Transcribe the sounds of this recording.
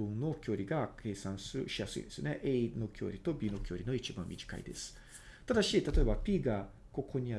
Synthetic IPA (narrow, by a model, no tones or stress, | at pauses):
ɯ̟̃nno̞kʲo̞ːɾʲiɡakʰe̞ːsãɰ̃sɨɾɯ̟ɕijasɨ̰ḭ̃nd̪sɨ̰oneʔeino̞kʲo̞̰ːɾʲit̪o̞bʲiːno̞kʲo̞ːɾʲino̞it͡ɕibã̰mʲiʑi̥ka̰ḭd̪e̞sɨ̥ | t̪ad̪aɕit̪at̪o̞e̞bapʲiːɡa | ko̞kʰo̞ɲ̟ija